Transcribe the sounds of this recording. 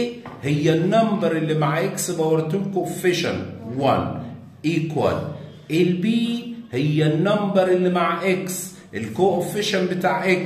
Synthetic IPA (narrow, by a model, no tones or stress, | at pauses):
hɪjːænːɑmbɑɾˤɪlːimaʕʔɪksbɑwɑɾˤt̪uːlkoːʔfɪʃa̰nwan | ʔiːkwa̰l | ʔɪlbiːhɪjːænːɑmbɑɾˤɪlːimaʕʔeks | ʔɪlkoːʔofɪʃanbɪt̪aːʕʔek